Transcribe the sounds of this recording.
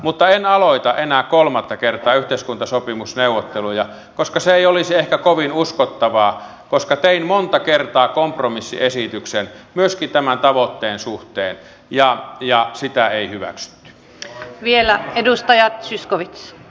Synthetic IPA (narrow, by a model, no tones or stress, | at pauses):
mut̪ːɑenɑloit̪ɑʔenæːkkolmɑt̪ːɑkert̪ˑɑːyht̪eˑiskunt̪ɑsopimusneˑuwot̪ːelujɑ | koskɑseeˑiolisiehkækoʋinuskot̪ːɑʋɑː | koskɑt̪einmont̪ɑkert̪ɑːkompromisːḭesit̪yksenmyøskint̪æmænt̪ɑʋot̪ːeːnsuht̪ḛːn | jɑjɑsit̪æeˑihyʋæ̰ksy̥t̪ːy̥ | ʋielæedust̪ɑjɑt̪syskoʋit̪s